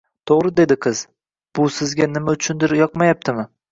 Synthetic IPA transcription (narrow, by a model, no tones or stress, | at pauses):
t̪ʰoʁɾɪd̪e̞d̪ɪqʰɨz | b̥ʊsɪzɡʲanɪmaʊt͡ʃʰʊnd̪ɪɾjɒqmajap̚t̪ʰɪmɪ